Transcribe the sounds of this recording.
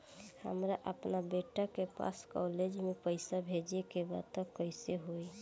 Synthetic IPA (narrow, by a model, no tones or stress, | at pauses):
hə̰mɾaʔəpnabeʈakepa̰skɔled͡ʒmẽpəɪsabʱed͡ʒekeba̰d̪̚t̪əkəɪseɦoi